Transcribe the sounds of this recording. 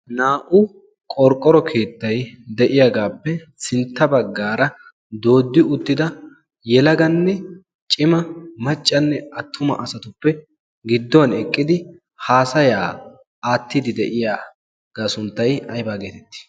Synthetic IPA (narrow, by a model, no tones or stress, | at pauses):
naːʔʊ | kʼɔɾkʼːɔɾɔkʰe̞ːt̪ːɐjd̪ɛʔɪjaɡaːpːɛ | sɪnt̪ːɐbɐɡːaːɾɐ | d̪o̞ːd̪ːɪʊt̪ːɪd̪ɐ | jɛlɐɡɐnːɛ | t͡ʃʼɪmɐmɐt͡ʃʼːɐnːɛɐt̪ʰːʊmɐ̰ʔɐsɐt̪ʊpːɛ | ɡɪd̪ːɔwɐnɛkʼːɪd̪ɪ | haːsɐjaː | aːt̪ːɪd̪ɪd̪ɛʔɪjaː | ɡ̥asʊnt̪ːɐjɐjbaːɡeːt̪ɛt̪ːɪ̥